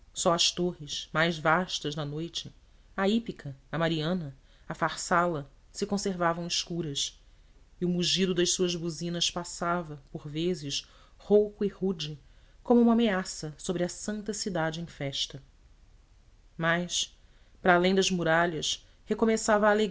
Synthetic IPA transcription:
sɔɐʃt̪oɦɪʃmajzvaʃt̪ɐzd̪ɐnojt͡ʃɪ | aipikʰɐːmaɾiɐ̃nɐ | ɐfaχsalɐ | sɪkõseɾvavɐ̃w̃iʃkuɾɐs | iʊmuʒid̪ʊd̪ɐʃsuɐzbuzĩnɐspasavɐpoɾvezɪʃ | howkʊihud͡ʒikõmʊũmɐameasɐsobɾɪɐsɐ̃nt̪ɐsid̪ad͡ʒɪẽj̃fɛʃt̪ɐ | majs | pɾaːlẽj̃d̪ɐzmuɾaʎɐʃ | hekomesavɐaːleɡ

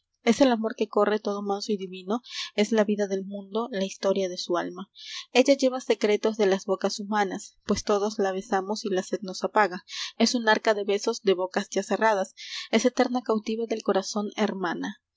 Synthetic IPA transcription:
e̞se̞lamo̞ɾke̞ko̞re̞t̪o̞ðo̞mansoiðiβino̞e̞zlaβiðaðe̞lmũnd̪o̞laist̪o̞ɾjað̞e̞sualmae̞ʝaʝe̞βase̞kɾe̞t̪o̞zðe̞lazβo̞kasumanaspwe̞st̪o̞ðo̞zlaβ̞e̞samosilase̞d̪no̞sapaɣae̞sunaɾkaðe̞βe̞so̞zd̪e̞βo̞kazʝase̞rað̞ase̞se̞t̪e̞ɾnakawt̪iβeðe̞lko̞ɾaso̞neɾmana

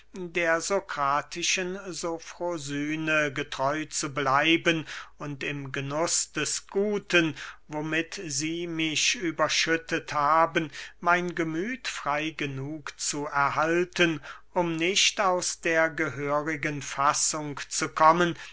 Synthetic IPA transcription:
deːɐzokʁ̥aːtʰɪʃənzofʁozyːnəɡətʁ̥ɔʏt͡sublaɪbənʊntɪmɡənʊsd̥ɛsɡ̥uːtənvomɪtziːmɪçʔyːbɐʃʏtʰəthaːbənmaɪnɡəmyːtfʁ̥aɪɡənuːkt͡suɛɐhaltənʔʊmnɪʃtaʊsd̥eːɐɡəɦøːʁɪɡənfasʊŋkt͡sukʰɔmən

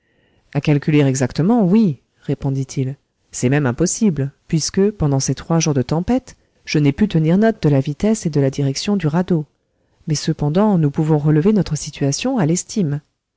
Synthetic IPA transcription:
akalkʲyleʁɛɡzakt̪əmɑ̃wi | ʁepɔ̃d̪it̪ʰil | sɛmɛmɛ̃pɔsiblpɥiskəpɑ̃d̪ɑ̃set̪χwaʒuʁd̪ət̪ɑ̃pɛt̪ | ʒ̥ənɛpyt̪əniʁnɔt̪̚d̪əlavit̪ɛsed̪əlad̪iʁɛksjɔ̃d̪yʁad̪o | mɛsəpɑ̃d̪ɑ̃nupuvɔ̃ʁələvenɔt̪χəsit̪ɥasjɔ̃alɛst̪ʰim

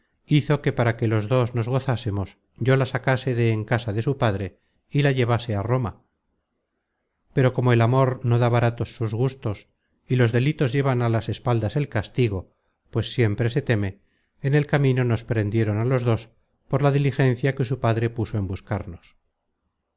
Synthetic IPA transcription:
iθo̞ke̞paɾake̞lo̞zðo̞znozɣo̞θasemo̞s | ɟ͡ʝo̞lasakase̞ðeːŋkasaðe̞supaðɾe̞ | ilaʝe̞β̞ase̞aro̞ma̰ | pe̞ɾo̞ko̞mo̞e̞lamo̞ɾno̞ðaβaɾat̪o̞sːuzɣust̪o̞s | ilo̞zðe̞lit̪o̞zʝe̞βanalase̞spald̪ase̞lkast̪iɣo̞ | pwe̞sːje̞mpɾe̞se̞t̪e̞me̞ː | ne̞lkamĩno̞no̞spɾe̞nd̪je̞ɾo̞nalo̞zðo̞s | po̞ɾlaðilixe̞n̟θjake̞supaðɾe̞puso̞e̞mbuskaɾno̞s

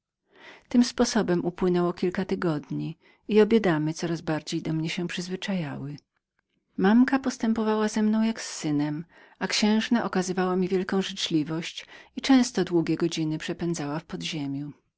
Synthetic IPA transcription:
t̪ɘmspɔsɔbɛmupwɘnɛwɔkʲilkat̪ɘɡɔd̪ɲi | iɔbʲjɛd̪amɘt̪sɔɾazbaɾd͡ʑejd̪ɔmɲɛɕɛ̃pʂɘzvɘt͡ʂajawɘ | mamkapɔst̪ɛmpɔvawazɛmnɔ̃w̃jaksːɘnɛm | akɕɛ̃w̃ʐnaʔɔkazɘvawamʲivʲjɛlkɔ̃w̃ʐɘt͡ʂlʲivɔɕt͡ɕit͡ʂɛ̃w̃st̪ɔd̪wuɡʲjɛɡɔd͡ʑinɘpʂɛpɛnd̪zawafpɔd̪ʑemʲju

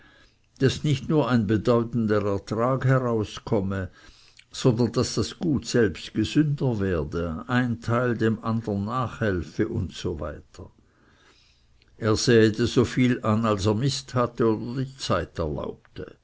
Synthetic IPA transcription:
d̥asnɪçtnuːɐaɪnbədɔʏtn̩dəʁɛɐtʁaːkhɛʁaʊskʰɔmə | z̥ɔndɐnd̥asd̥asɡ̥uːtsɛlpstɡ̥əzʏndəvɛːɐdəaɪntʰaɪldeːmʔandənːaːχhɛlfəʔʊntsova̰ɪtʰɐ | ʔeːɐz̥ɛːtəzoːfiːlanalseːɐmɪsthatəoːdɐdiːt͡saɪtɛɐla̰ʊptə

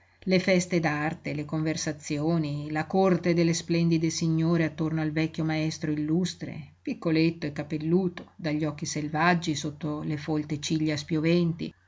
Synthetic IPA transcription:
lefɛst̪ed̪art̪elekoɱversat̪sːjoːnilakort̪ed̪elːesplɛnd̪id̪esiɲːoːɾeat̪ːornoalvɛkʲːjomaɛst̪ɾoilːust̪ɾḛpikːolet̪ːoekːapelːuːt̪o̥d̪aʎːɔkːiselvad͡ʒːisot̪ːolefolt̪et͡ʃiʎːaspjovɛnt̪ḭ

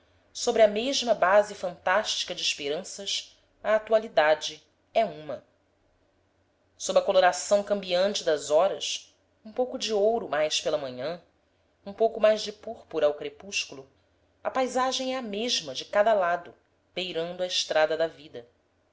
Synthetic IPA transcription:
sobɾɪɐmeʒmɐbazɪfɐ̃nt̪aʃt͡ʃi̥kɐd͡ʒɪːʃpeɾɐ̃sɐʃ | ɐːt̪ualid̪ad͡ʒɪ | ɛũmɐ | sobɾɐkoloɾasɐ̃w̃kɐ̃mbiɐ̃nt͡ʃɪd̪ɐzɔɾɐs | ũpowkʊd͡ʒɪowɾʊmajspelɐmɐ̃ɲɐ̃ | ũpowkʊmajzd͡ʒɪpuɾpuɾɐawkɾepuʃkulʊ | ɐpajzaʒẽj̃ɛɐmeʒmɐd͡ʒɪkad̪ɐlad̪ʊ | b̥ejɾɐ̃nd̪ʊɐɪʃt̪ɾad̪ɐd̪ɐvid̪ɐ

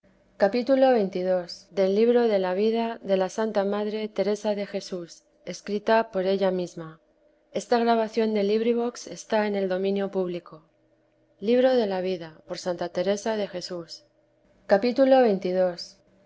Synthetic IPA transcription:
kapit̪ulo̞βe̞jnt̪ið̞o̞sd̪e̞lːiβɾo̞ðe̞laβ̞iðaðe̞lasant̪amaðɾe̞t̪e̞ɾe̞saðe̞xe̞sus | e̞skɾit̪apo̞ɾe̞ʎamizma | e̞st̪aɣɾaβ̞aθjo̞nd̪e̞liβɾiβo̞kse̞st̪ae̞ne̞ld̪o̞mĩnjo̞puβliko̞ | liβ̞ɾo̞ðe̞laβ̞iðapo̞ɾsant̪at̪e̞ɾe̞saðe̞xe̞sus | kapit̪ulo̞βe̞jnt̪ið̞o̞s

